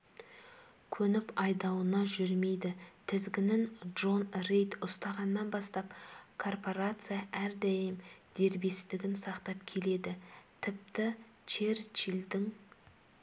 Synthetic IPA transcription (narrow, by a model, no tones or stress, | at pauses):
kʲʰɵnɪpɑjd̪ɑwənɑʒʏɾme̞jd̪ɪt̪ʰɪzɡʲɪnɪŋʒo̞nrejt̪ʊst̪ɑʁɑnːɑnbɑst̪ɑpkʰo̞rpo̞ɾat̪sɨjaʔæɾd̪æjɪmd̪̥e̞ɾbe̞st̪ɪɡʲɪnsɑqt̪ɑp̚kʲʰe̞le̞d̪ɪt̪ʰɪp̚t̪ɪ | t͡ʃʰeɾt͡ʃild̪ɪŋ